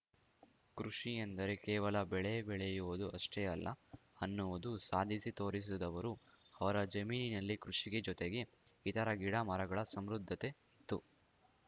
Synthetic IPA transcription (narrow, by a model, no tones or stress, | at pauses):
kɾuʂijend̪ɐɾe̞kɛːʋɐlɐbɛɭebɛɭejuʋud̪uʔɐʂʈeɐlːʔɐ̰ɐnːuʋud̪usaːd̪ʱisit̪o̞ːɾis̬ud̪ɐʋɐɾuɐʋɐɾɐd͡ʒɐmiːninɐlːikɾuʂiɡe̞d͡ʒɔt̪eɡe̞ː | t̪ɐɾɐɡiɽamɐɾɐɡɐɭɐsɐmɾud̪ʱːɐt̪e̞ | it̪ːu